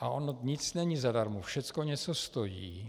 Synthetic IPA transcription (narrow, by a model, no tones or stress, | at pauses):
ʔaʔonoɲɪt͡snɛɲizadaɾmufʃɛt͡skoɲɛt͡sost̪o̞jḭː